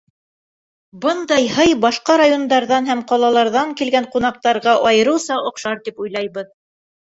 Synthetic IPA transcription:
bɤnd̪ɑjhɤjbɑʃqɑɾajond̪ɑɾðɑnɦæmqɒlˠɑlˠɑɾðɑŋkilɡæɴqunɑq̚t̪ɑɾʁɑʔɑjɤ̆ɾɤ̆wsɑʔŏqʃɑɾt̪ipujlˠɑjβɤð

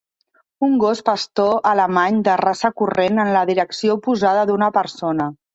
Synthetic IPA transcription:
uŋɡospəst̪oʔələmaɲd̪ərasəkurenənləðiɾəksiopuzað̞əðunəpəɾsonə

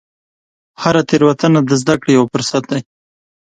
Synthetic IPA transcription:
haɾat̪eɾwat̪anad̪əzd̪akɽejawafʊɾsat̪̚d̪aj

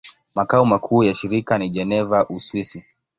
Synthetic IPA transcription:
makaumakʰuːjaʃiɾikaniʄɛnɛvaʔuswisi

